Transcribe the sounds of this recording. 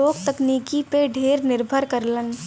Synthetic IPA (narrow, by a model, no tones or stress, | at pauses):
oːkt̪əkniːkipeɖʱeːɾnɪɾbʱəɾkəɾlən